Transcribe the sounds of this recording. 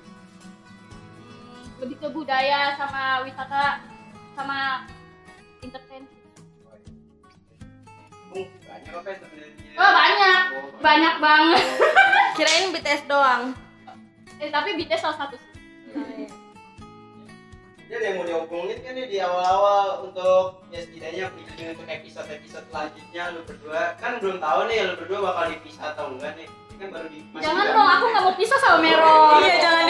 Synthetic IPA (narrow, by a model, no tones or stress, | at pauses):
ləbit̪ubudajasamawisat̪asama | int̪ərfɛn | ŋbaɲakakasəpəniabaɲak̚baɲak̚baŋə | kiɾaɪnbit̪ɛɛsdoaŋ | ɛt̪apibit̪ɛsalasat̪ʊs | d͡ʒadjaŋmodaukɔŋnɪkandɪdiawalawalunt̪ʊk̚ | ɛst̪idaɲapəid͡ʒudəŋanp̪əkaak̚isat̪apisat̪̚lad͡ʒɪt̪̚ɲaləbərduakanbəlʊmt̪aʊnɪhjaləbərduabakaldipisat̪auŋkanɪh | kanbaɾudiad͡ʒaŋandɔŋakuŋamopisasaumeɾɔjad͡ʒaŋan